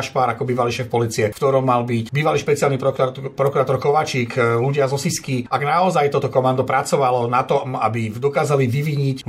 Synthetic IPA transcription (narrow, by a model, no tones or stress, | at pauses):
ʃpaːɾakɔbiːʋaliʃɛːfpɔliːt͡siɛkt̪ɔɾɔmːalbicbiːʋaliːʃpɛt͡sɪalnipɾɔkpɾɔkuɾaːt̪ɔɾkɔʋaːt͡ʃiːkluɟɪazɔsiskiʔaɡnaɔzajt̪ɔːt̪ɔkɔmand̪upɾat͡sɔʋalɔnat̪ɔma̰bid̪ɔkaːzaliʋiʋiɲi